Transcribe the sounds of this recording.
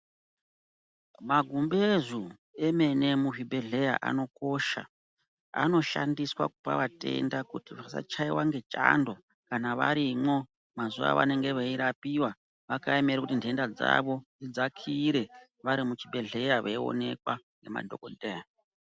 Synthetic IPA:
maɡʱumbezu | eme̞ne̞muvibʱe̞ɮe̞ja̰ʔa̰no̞ko̞ʃa̰ | a̰no̞ʃandiswa̰kupa̰ʋate̞̰ndakutiʋasa̰t͡ʃaiwaŋɡe̞t͡ʃʼando̞ | kanaʋa̰ɾimwo̞ | mazuʋa̰ʋa̰ne̞ŋɡe̞ʋeiɾapiwa | ʋakaeme̞ɾekutindʱe̞ndad͡za̰ʋo̞nd͡zid͡zakʰiɾe̞ | ʋaɾimut͡ʃibʱe̞ɮe̞jaʋeio̰ne̞kwaŋɡe̞ma̰dʱo̰kodea

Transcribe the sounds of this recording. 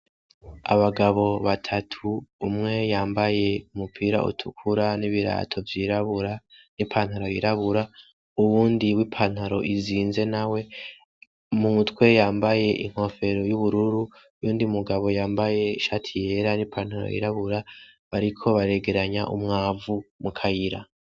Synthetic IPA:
a̰βaɡaβo̞βatʰatʰuːmŋe̞jaːmbaje̞umupʰiːɾa̰ʔṵtʰukʰuɾaniβiɾa̰ːtʰo̞vjiɾaβuɾanipʰaːn̥haɾo̞jiɾaβuɾa | uβuːndiwipʰan̥haɾo̞ʔiziːnze̞nawe̞ | muutwe̞jaːmbaje̞ʔḭŋ̥ho̞fe̞ɾojuβuɾuɾu | juːndiumuɡaβo̞jaːmbaje̞iʃaːtʰije̞ɾanipan̥haɾo̰jḭɾaβuɾa | βaɾikʰo̞βaɾe̞ɡe̞ɾaɲaʔumŋaːvumukʰajiɾa

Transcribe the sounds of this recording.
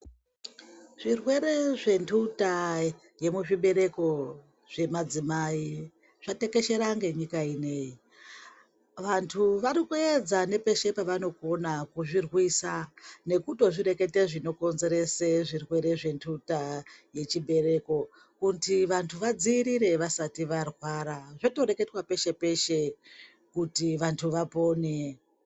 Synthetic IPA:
ʐ̥irwe̞ɾe̞ʐe̞ntʰuta | je̞muʐiɓe̞ɾe̞ko̞ | ʐ̥e̞mad͡zimai | ʐ̥ate̞ke̞ʃe̞ɾaŋɡe̞ɲikaine̞ːji | ʋantʰuʋaɾikued͡zane̞pe̞ʃe̞paʋano̞konakuʐirwisane̞kuto̞ʐiɾe̞ke̞teʐino̞ko̞nze̞ɾe̞seʐirwe̞ɾe̞ʐe̞ntʰutaje̞t͡ʃibʱe̞re̞ko̞ | kuntʰiʋantʰuʋad͡ziːɾiɾe̞ʋasatiʋarwaːɾaʐoto̞ɾe̞ke̞twape̞ʃe̞pe̞ʃe | kutiʋantʰuʋapo̞ːne

